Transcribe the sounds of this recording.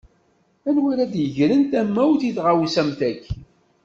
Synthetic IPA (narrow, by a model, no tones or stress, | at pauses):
ænwiɾæd̪jəʝlənt̪æmːæwθiθʁawsæmt̪æç